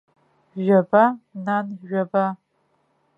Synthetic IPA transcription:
ʒɐbananʒʷᶣɐba

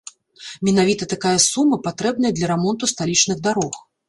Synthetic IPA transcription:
mʲɛnavʲit̪ɐt̪akajɐsumːɐpat̪ɾɛb̚n̪ɐjɐd̪lʲɐɾɛmɔnt̪ust̪alʲit͡ʂnɨɣd̪aɾɔx

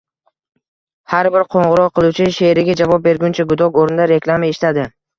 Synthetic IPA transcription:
haɾbɪɾqʰoɴʁɨɾɒqqʰːɨlˠut͡ʃʰɪʃeɾɪɡʲad͡ʒavɒp̚be̞ɾɡʲʊnt͡ʃʰaɡʊd̪ɒkoɾɪnd̪aɾe̞klˠamaeʃɪ̥t̪ad̪ɪ

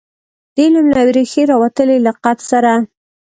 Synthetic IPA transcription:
d̪̥elamlawɾexeɾɑwat̪əlelaqat̪saɾa

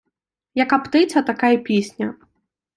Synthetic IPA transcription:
jɐkapt̪ɪt̪t͡s̪ʲɐt̪akajɛpʲisʲnʲɐ

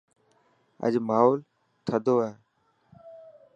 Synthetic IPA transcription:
ə̰d͡ʒmaːɦoːl | t̪ʰəd̪ʱoːaːɦ

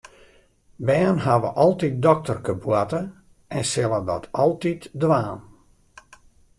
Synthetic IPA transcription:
bɛːnɦaʋə̰ʔɔlˠtit̚dɔk̚tərkəbwatə | ɛnsɪlˠədɔ̰tʰɔlˠtitdʋaːn

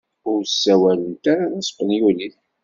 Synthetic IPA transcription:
ʊɾsːæwælənt̪aɾanæsqːənjuliθ

